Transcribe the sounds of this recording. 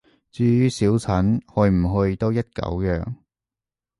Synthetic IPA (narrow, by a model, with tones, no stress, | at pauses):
t͡syː˧jyː˥siː˨˥wt͡sʰɐ˨˥nhɵ˧ɥm̩˨˩ɦɵ˧ɥt̪o˥wjɐ˥t̚kɐ̰˨˥wjœ̰ː˨ŋ